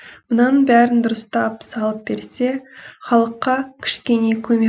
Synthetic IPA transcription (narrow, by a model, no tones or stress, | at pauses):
mənɑnbæɾɪnd̪ʊɾəst̪ɑpsɑlˠəp̚be̞ɾse̞χɑlˠəqːɑkʲʰɪ̥ʃkʲe̞ne̞kʲʰɵme